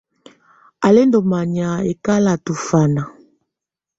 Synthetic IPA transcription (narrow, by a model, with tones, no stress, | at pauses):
a˨le˦ndo˨ma˨ɲa˨e˨ka˦la˨tu˨fa˨na˨